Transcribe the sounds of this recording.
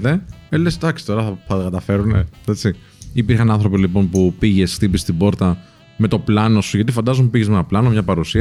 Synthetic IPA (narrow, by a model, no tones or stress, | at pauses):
t̪e̞elesd̪ɐksi̥t̪o̞ɾɐθɐθɐt̪okɐt̪ɐfe̞ɾune̞̰et͡si | ipiɾxɐnɐnθɾo̞pilipo̞npupiʝe̞st̪ipist̪ibo̞ɾt̪ɐ | me̞t̪o̞plɐno̞suʝɐt̪ifɐnd̪ɐzompupiʝe̞zmenɐplɐno̞mɲɐpɐɾusiɐ